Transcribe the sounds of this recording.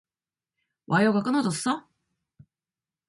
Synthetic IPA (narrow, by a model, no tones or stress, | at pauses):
βajoɡakɯnot̪ossa